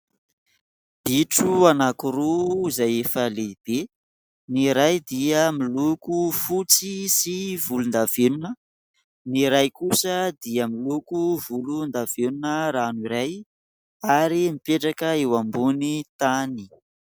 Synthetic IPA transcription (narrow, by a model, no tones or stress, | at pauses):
b̥iʈ͡ʂuanakuɾuzajefəleb̥e | niɾajd̪iəmilukufut͡sisivulund̪avenunə | niɾajkusəd̪iəmilukuvulund̪av̥enunəɾaniɾaj | aɾimipeʈ͡ʂakəewambunit̪ani̥